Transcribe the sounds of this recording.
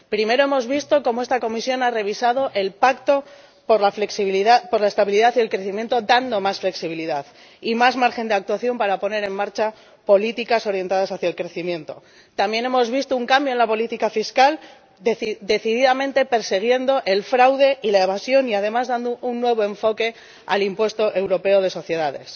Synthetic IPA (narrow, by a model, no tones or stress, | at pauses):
pɾime̞ɾo̞e̞mo̞zβist̪o̞ko̞moe̞st̪ako̞misjo̞nare̞β̞isað̞o̞ʔe̞lpakt̪o̞ | poɾlafleksiβiðapoɾlaest̪aβiliðaθielkɾe̞θimje̞nt̪o̞d̪and̪o̞masfle̞ksiβ̞iliðað | imazmaɾxe̞nd̪e̞ak̚t̪waθjo̞mpaɾapo̞ne̞ɾe̞mmaɾt͡ʃa | po̞lit̪ikaso̞ɾje̞nt̪að̞asaθjaelkɾe̞θimje̞nt̪o̞̰ | t̪ambje̞ne̞mo̞zβist̪ouŋkambjoe̞nlapo̞lit̪ikafiskal | d̪eid̪e̞θiðiðamẽnt̪e̞pe̞ɾse̞ɣ̞je̞nd̪o̞ʔe̞lfɾawðe̞ilaeβ̞asjo̞niað̞e̞mazðand̪ounːwe̞β̞o̞e̞ɱfo̞ke̞ | a̰limpwe̞st̪o̞ʔe̞wɾo̞pe̞oðe̞so̞θje̞ðaðe̞̰s